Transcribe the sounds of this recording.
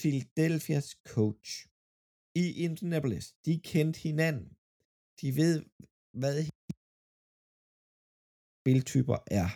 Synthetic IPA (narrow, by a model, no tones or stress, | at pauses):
filæd̥elfiæskʰɔʊ̥ɕ | iʔent͡sʰinæpolesd̥ikʰend̥he̝næn̰n̩ | d̥iʋe̝ð̞̰ˠ | ʋæðˠh | b̥e̝lt͡sʰy̰ːb̥ɐʔæɐ